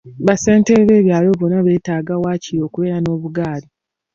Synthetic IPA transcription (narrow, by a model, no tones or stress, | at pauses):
βase̞ːnteβe̞ːβjaːlo̞βonaβe̞ːtaːɡawaːciɾo̞ːkuβe̞ːɾano̞ːβuɡaːli